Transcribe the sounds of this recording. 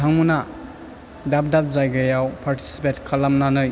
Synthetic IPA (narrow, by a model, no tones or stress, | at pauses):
tʰaŋmuna | dap̚dap̚zajɡajawpʰaɾtʰi̥si̥petkʰalamnanɯj